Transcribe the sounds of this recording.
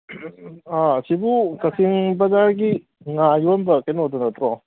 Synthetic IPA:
asibukɐkʰiŋbɐzaɾɡi | ŋajonbɐkenotunɐt̪ɾɔ

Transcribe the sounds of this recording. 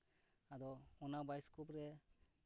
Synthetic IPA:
adɔɔnabajskupɾɛ

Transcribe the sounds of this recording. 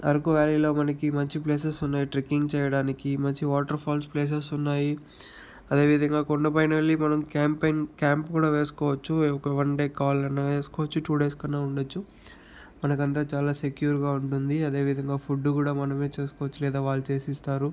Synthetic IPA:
ɐ̰ɾukuʋjaːliːlo̞ːmɐnɐkimɐɲt͡ʃipleːs̬esunːaːjiʈɾikːiŋɡt͡ʃɛːjɐɽaːnikimɐɲt͡ʃiʋaːʈɐɾpʰaːlspleːs̬esunːaːji | ɐd̪e̞ːʋid̪ʱɐŋɡaːkoɳɖɐp̬ɐjnɐlːimɐnɐmkaːmpenkaːmpkuːɽaːʋeːsu̥kɔːʋɐt͡ʃːuɔkɐʋɐɳɖe̞ːkaːlɐnːɐʋeːsu̥kɔːʋɐt͡ʃːuʈuːɖeːskɐnːaːuɳɖɐt͡ʃːu | mɐnɐkɐnt̪̬aːt͡ʃaːlaːse̞kjuːɾɡaːuɳʈund̪iɐd̪e̞ːʋid̪ʱɐŋɡaːpʰuɖːukuːɽaːmɐnɐme̞ːt͡ʃeːsu̥kɔːʋɐt͡ʃːulɛːd̪aːʋaːɭːut͡ʃe̞ːsist̪aːɾu

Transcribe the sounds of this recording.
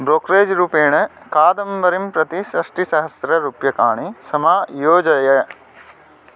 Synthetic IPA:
bɾoːkɾeːd͡ʒɾuːpeːɳɐkaːd̪ɐmʋɐɾimpɾɐt̪iʃɐʂʈisɐɦɐsɾɐɾupjɐkaːɳisɐmaːjoːd͡ʒɐjɐ

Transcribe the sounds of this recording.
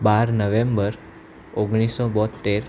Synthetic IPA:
baɾnəʋembəɾ | oɡɽ̃isobɔt̪ːeɾ

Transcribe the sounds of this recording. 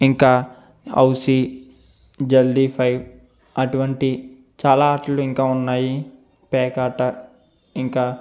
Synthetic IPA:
iŋkaː | ɐ̰wsi | d͡ʒɐlːipʰɐjʋ | ɐʈuʋɐɳʈi | t͡ʃaːlaːaːʈɐluiŋkaːunːaːji | pɛːkaːʈɐ | iŋkaː

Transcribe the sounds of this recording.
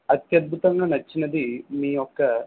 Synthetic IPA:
ɐt̪jɐd̪̚bʱut̪ɐŋɡɐnɐt͡ʃːinɐd̪iniːokːɐ

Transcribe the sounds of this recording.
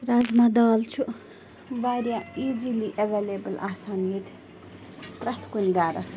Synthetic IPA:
ɾazmad̪aːlt͡ʃʰu | ʋaɾjaiːd͡ʒiliʔeʋelebɐlʔa̰ːsaːnijət̪ | pɾɐt̪ʰkunɡaːɾɐs

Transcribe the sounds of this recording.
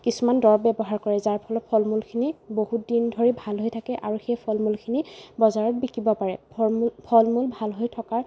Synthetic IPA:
kisumandɔɹbɛbɔɦaɹkɔɹɛzaɹpʰɔlɔt̚pʰɔlmulkʰinibohutdindʱoɹibʱalɦojtʰakɛʔaɹuxejpʰɔlmulkʰinibɔzaɹɔt̚bikibɔpaɹɛ̰pʰɔlmulbʱalɦojtʰɔkaɹ

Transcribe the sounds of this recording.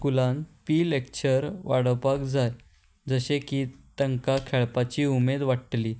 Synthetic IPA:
kulãnpiːlek̚t͡ɕəɾʋaɽəpakd͡zʱaj | d͡zəɕekiːt̪əŋkakʰɛɭpat͡ɕiːumed̪ʋaʈʈliː

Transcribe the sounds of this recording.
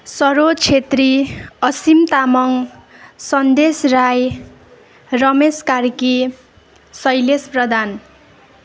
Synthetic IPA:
sʌɾot͡sʰet̪riʌsimt̪amʌŋsʌnd̪esraj | rʌmeskarki | sʌjlesprʌd̪ʱan

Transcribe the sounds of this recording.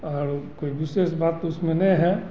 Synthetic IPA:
ɔːɾkoːibɪsesbaːt̪ːʊsmẽnɐ̃ĩɦɛ

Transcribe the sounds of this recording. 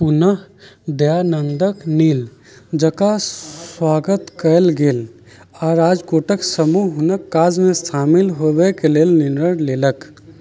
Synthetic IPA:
punəɦd̪janənd̪əkniːl | d͡ʒəkaswaːɡət̪kəlɡeːl | ɔːɾaːd͡ʒkoʈəksəmuɦʊnəkːaːd͡ʒmẽst̪ʰaːmilɦobɛkelelninəɽleːlək

